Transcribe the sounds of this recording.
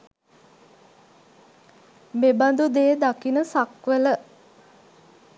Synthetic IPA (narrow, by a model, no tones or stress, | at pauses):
meband̪ud̪eːd̪akinəsakʋələ